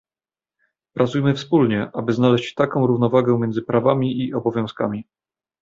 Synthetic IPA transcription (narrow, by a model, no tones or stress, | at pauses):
pɾʔat̪sujmɘfspulɲɛʔabɘznalɛɕt͡ɕt̪akɔ̃w̃ɾuvnɔvaɡɛmʲjɛnd̪zɘpɾavamʲiʔiʔɔbɔvʲjɔ̃w̃ska̰mʲi